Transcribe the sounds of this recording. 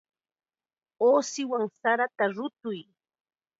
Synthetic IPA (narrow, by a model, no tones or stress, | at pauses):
oːsɪwaŋsaɾat̪aɾʊt̪ʊj